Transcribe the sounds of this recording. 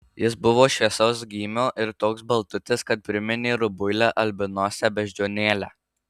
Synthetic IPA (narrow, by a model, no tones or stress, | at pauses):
jɪsbʊʋoːʃʲʋʲiɛsɐʊsɡʲiːmʲoːʔɪɾt̪oːksbɐlˠt̪ʊt̪ʲɪskɐt̪̚pʲɾʲɪmʲɪnʲeːɾʊbʊɪlʲæʔɐlʲbʲɪnoːsʲɛbʲɛʒʲd͡ʒʲoːnʲeːlʲæː